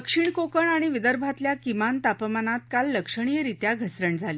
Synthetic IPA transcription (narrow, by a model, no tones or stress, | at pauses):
əkʂiɳkokəɳaɽ̃iʋid̪əɾbʱat̪ljakimant̪apəmanat̪̚kalːəkʂəɳ̃ijəɾit̪jaɡʱəsɾəɳd͡zʱali